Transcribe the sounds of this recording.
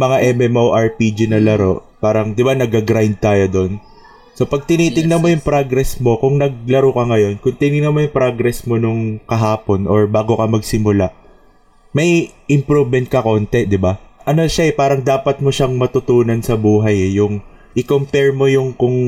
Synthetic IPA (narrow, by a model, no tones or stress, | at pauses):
mɐŋaʔɛmɛmowʔɐɹpid͡ʒinɐlɐɾo̞paːɾɐŋd̪ɪbanɐɡɐɡɾajnd̪̚t̪aːjo̞d̪o̞n | so̞pɐɡ̚t̪ɪniːt̪ɪŋnɐnmo̞jʊŋpɾoɡɾɛsmo̞kʊŋnɐɡ̚lɐɾokɐŋɐjo̞nkʊŋt̪ɪnɪnɐnmojʊŋpɾoɡɾɛsmo̞nʊŋkɐɦaːpo̞nʔo̞ɹbaːɡo̞kɐmɐɡsɪmʊlaʔ | mɐjʔɪmpɾubmɛnt̪̚kɐko̞ːnt̪ɛd̪ɪbaʔɐno̞ʃaɛpaːɾɐŋd̪aːpɐt̪̚moʃɐŋmɐt̪ʊt̪uːnɐnsɐbuːɦɐjɛjʊŋ | ʔɪkompɛɹmo̞jʊŋkʊŋ